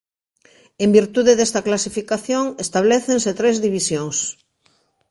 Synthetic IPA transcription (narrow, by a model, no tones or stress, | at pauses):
embiɾt̪uðeðest̪aklasifikaθjoŋest̪aβ̞leθenset̪ɾezðiβisjoŋs